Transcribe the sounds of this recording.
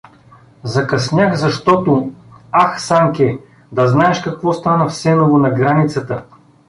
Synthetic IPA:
zɐkɐsnʲjaxzɐʃt̪ɔt̪ʊaxsaŋkʲɛ | d̪ɐznaɛʃkɐkvɔst̪anəfsɛnovʊnɐɡɾanit̪sət̪ə

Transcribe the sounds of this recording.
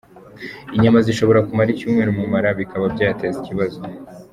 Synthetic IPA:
iɲamaziʃo̞βo̞ɾakumaɾicuːmŋe̞ːɾumumaɾaβikaβabɟaːjateziciβazo

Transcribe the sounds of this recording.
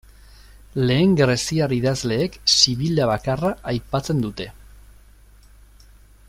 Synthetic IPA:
le̞ːŋɡɾe̞siariðazle̞ːksiβilaβakaraajpat͡se̞nd̪ut̪e̞

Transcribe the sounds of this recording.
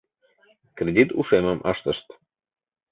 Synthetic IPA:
kɾed̪ʲit̪uʃeməmʔɑʃt̪əʃt̪

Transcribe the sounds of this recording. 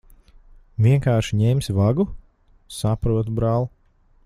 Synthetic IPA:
vʲiɛŋkaːɾʃiɲɛmʲsʲvaɡu | sapɾuɔt̪bɾaːlˠu

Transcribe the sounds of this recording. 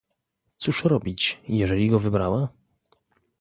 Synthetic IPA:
t̪suʂɾɔbʲit͡ɕjɛʐɛlʲiɡɔvɘbɾawa

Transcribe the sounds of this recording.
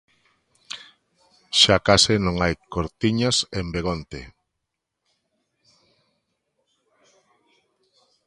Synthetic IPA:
ʃakasenõŋajkoɾt̪iɲasembeɣ̞ont̪e

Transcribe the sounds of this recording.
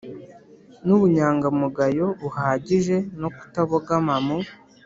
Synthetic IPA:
nuβuɲaːŋɡamuɡajo̞βuhaːɟiʒe̞no̞ku̥taβoɡamamu

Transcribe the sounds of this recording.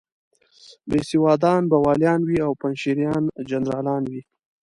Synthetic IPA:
besiwɑːd̪ɑnbawɑljɑnwiawpanʃiɾjɑnd͡ʒanɾɑlɑnwi

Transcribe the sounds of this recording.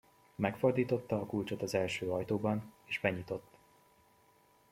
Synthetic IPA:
mɛkfo̞rd̪iːt̪o̞t̪ːɒːkult͡ʃot̪ɒzɛlʃøːɒjt̪oːbɒneːʒbɛɲit̪o̞t̪ː

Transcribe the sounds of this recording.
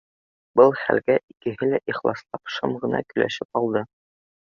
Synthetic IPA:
bɤlˠχæ̰lɡæʔikɘ̆ɦɘlæʔiχlˠɑslˠɑpʃɤmʁɤ̆nɑ̰kɵ̆læ̰ʃɘpɑlˠd̪ɤ

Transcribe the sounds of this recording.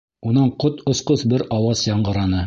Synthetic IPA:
unɑɴqot̪ŏsqɤsbɘɾɑwɑsjɑɴɢɤ̆ɾɑnɤ

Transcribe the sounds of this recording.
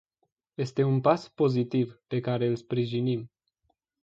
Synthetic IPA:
je̞st̪e̞unpaspo̞zit̪ivpe̞kaɾe̞ɨlspɾiʒinim

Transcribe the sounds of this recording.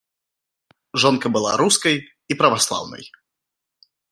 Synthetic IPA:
ʐɔnkɐbɨlˠa̰ɾuskɐj | ipɾɐvaslˠa̰wnɐ̰j

